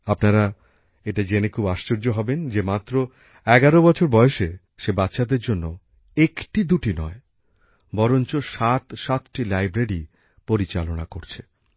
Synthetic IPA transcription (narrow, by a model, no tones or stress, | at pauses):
apnaɾa | eʈad͡ʑenekʰubaʃt͡ɕoɾd͡ʑoɦɔbend͡ʑemat̪ːɾo | ɛɡaɾobɔt͡ɕʰoɾbɔeeʃe | ʃebatːɕad̪eɾd͡ʑonːo | ekʈid̪uʈinɔe | bɔɾont͡ɕoʃat̪ʃat̪ʈilajbɾeɽi | poɾit͡ɕa̰lonakoɾt͡ɕʰe